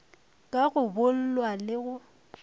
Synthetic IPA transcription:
kʼaɣʊbʊl̩lwalɪɣʊ

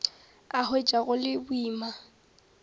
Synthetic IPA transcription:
ahwet͡ʃʼaɣʊlɪbʊiːma

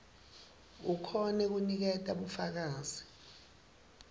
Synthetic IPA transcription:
ukʰɔnɛk̬unik̬ɛtʼaɓufak̬aːzi

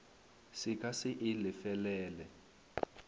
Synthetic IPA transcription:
sikʰasɪʔilɪfɛlɛːlɛ

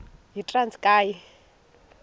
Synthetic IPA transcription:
ɦitrant͡sʰkʼaːji

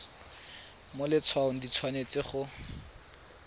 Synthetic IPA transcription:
molɪt͡sʰwaʊŋ̩dit͡sʰwanet͡sɪχʊ

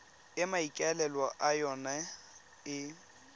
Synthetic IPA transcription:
ɪmaikʼɛlɛlwaʔajɔna | ɪ

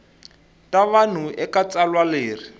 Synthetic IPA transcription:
tʼaβan̤uʔɛkat͡salwaleːri

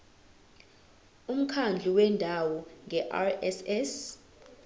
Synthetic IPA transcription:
um̩kʰand͡ɮʱuwɛndʱawɔŋʱɛʔa̰rɛsɛs

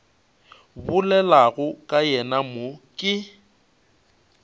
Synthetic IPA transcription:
bʊlɛlaɣʊkʼajɛnamokʼɪ

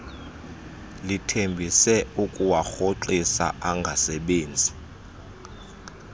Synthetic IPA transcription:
litʰembʱisɛukʼuwaxoǁisa̰ʔaŋɡʱasɛɓeːnd͡zʱi

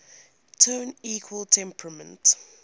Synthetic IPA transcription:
tʰɜniːkʰwəlˠtʰɛ̃mpʰɹəmə̃nt

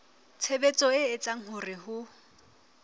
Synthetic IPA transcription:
t͡sʰebet͡sʼɔɪːt͡sʼaŋ̩ɦʊrɪɦʊ

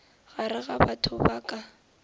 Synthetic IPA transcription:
ɣaɾɪɣabatʰʊbakʼa

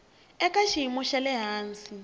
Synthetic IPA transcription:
ɛkʼaʃiɦimʊʃalɛɦaːn̩si

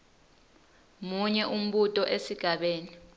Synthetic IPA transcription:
muɲɛʔum̩ɓutʼɔʔesiɡ̥ʱaɓeːni

